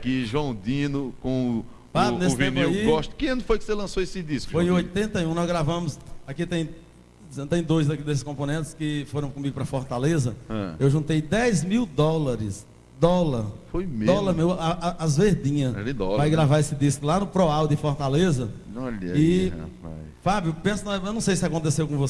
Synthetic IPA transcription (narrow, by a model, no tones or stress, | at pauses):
akiʒuɐ̃w̃d̪ĩnʊkõ | panesviniwɡɔʃt̪ʊ̥kẽẽnʊfojkɪ̥selɐ̃soesɪd̪iskʊfojẽojt̪ẽnt̪ɐjũnɔzɡɾavɐ̃mʊsakit̪ẽj̃ | sẽt̪ẽj̃d̪ojzd̪ɐkid̪es̬ɪskõpõnẽnt̪ɪskɪfoɾɐ̃w̃kõmiɡʊpɾɐfɔɾt̪alezɐɛ̰̃ewʒũnt̪ejd̪ɛjzmiwd̪ɔlɐɾɪs | d̪ɔlɐɾfojmed̪ɔlɐmewaaazveɾd̪ĩɲɐsd̪ɔvajɡɾavaesɪd̪iskʊlanʊpɾɔawd̪ɪfɔɾt̪alezɐɔʎɐɪ̰pa̰jfabjʊpẽsʊnɐewnɐ̃w̃sejsɪakõnt̪esewkõvos